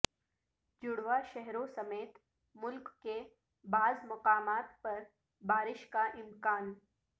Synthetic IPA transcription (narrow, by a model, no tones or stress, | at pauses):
d͡ʒʊɽʋaʃɛɦɾõsɐmeːt̪ | mʊlkːe | baːzmɐqaːmaːt̪pɐɾ | baːɾɪʃkaʔɪmkaːn